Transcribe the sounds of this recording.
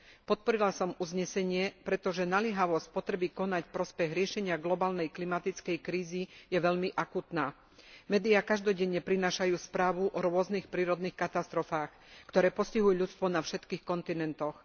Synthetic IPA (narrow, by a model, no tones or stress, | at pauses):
pɔt̪̚pɔɾilasɔmuzɲɛsɛɲɪɛpɾɛt̪ɔʒɛnalɪɛɦaʋɔsc̚pɔt̪ɾɛbikɔnacfpɾɔspɛɣɾɪɛʃɛɲɪaɡlɔbaːlnɛjklimat̪it͡skɛjkɾiːzijɛʋɛʎmiʔakut̪naː | mɛːd̪iakaʒd̪ɔɟɛɲːɛpɾinaːʃajuːspɾaːʋuʔɔɾʊɔznixpɾiːɾɔd̪niːxkat̪ast̪ɾɔfaːx | kt̪ɔɾɛːpɔsciɦujuʎut͡st̪ʋɔnafʃɛt̪kiːxkɔnt̪inɛnt̪ɔx